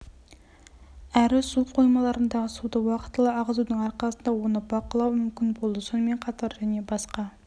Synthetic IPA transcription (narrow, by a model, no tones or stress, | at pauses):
æɾɪsuqʰojmɑlˠɑɾɨnd̪ɑʁəsud̪ɑwɑqʰə̥t̪lˠɨɑʁzunɨŋɑɾqʰɑlˠsnd̪ɑwonɨbɑqəlˠɑwmymkʲinbolˠd̪ɨsunmeŋqʰɑt̪ʰɑɾjɛnebɑsqɑ